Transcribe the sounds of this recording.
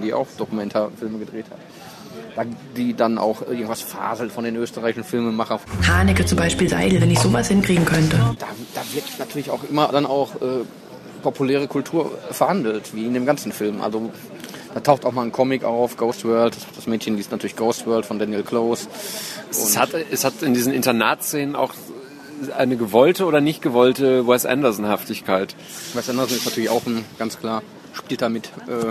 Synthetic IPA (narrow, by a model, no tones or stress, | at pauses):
d̥iːʔa̰ʊxd̥okumɛntʰafɪlməɡədʁeːthat | d̥aːdiːdanʔa̰ʊxʔʔɪɐɡŋ̩tv̥asfa̰ːzl̩tfɔndeːnʔøːstəʁaɪçɪʃn̩fɪlmənmaχɐhaːnɪkət͡sʊmbaɪʃpiːlza̰ɪdl̩vɛnɪçz̥oːvashɪnkʁ̥iːɡŋ̩kʰœntəd̥aːd̥aːvɪɐtɪnatʰyːɐlɪça̰ʊxʔɪmɐdanaʊxʔɛː | pʰopʰulɛːʁ̞əkʰʊltʰuːɐfɛɐhandl̩tv̥iːɪndeːmɡant͡sn̩fɪlmʔa̰lzo | d̥aːtʰaʊxtaʊxmaːln̩kʰɔmɪkaʊfɡ̥oʊstvœɐlt̚d̥ashad̥asmɛːtçənliːstnatʰyɐɪçɡ̥oʊstvɜɐltfɔndɛnjɛlkʰloːs | ʔʊ̰nhatɛshatɪndiːzn̩ɪ̰ntɐna̰ːtseːnəna̰ʊx | aɪnəɡəvɔltəʔoːdɐnɪçt̚ɡ̥əvɔltəwɛstʔɛ̰ndɐzn̩haftɪçkʰaɪt | wɛsʔɛndɐzn̩ɪstnatʰyːɐlɪça̰ʊxn̩ɡ̥anskl̥aːɐ | ʃpiːlt̚damɪtʔɛː